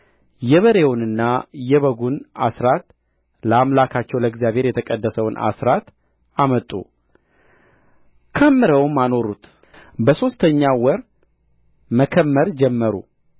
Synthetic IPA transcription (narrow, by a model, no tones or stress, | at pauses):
jɛβəɾe̞wʊnɨnːajɛβəɡuna̰sɾat̪ | ləamlakʰat͡ʃːɛwləɡzijaβɦe̞ɾjɛt̪ʰəkʼəd̪ːəsəwnʔa̰sɾat̪ | amət̪ʼṵ | kʰəmːɨɾəwmːano̞ɾut̪ | bəso̞st̪ʰəɲːawɔɾ | məkʰəmːəɾd͡ʒɛmːəɾṵ